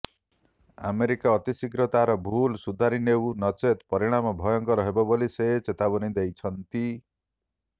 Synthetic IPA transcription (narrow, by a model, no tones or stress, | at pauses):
a̰meɾikaɔt̪isikɾɔt̪aɾɔbʱulsud̪ʱaɾinewnɔt͡ʃet̪pɔɾiɽ̃amɔbʱɔjɔŋkɔɾɔɦebɔboliset͡ʃet̪abɔnid̪ejt͡ʃʰɔnt̪i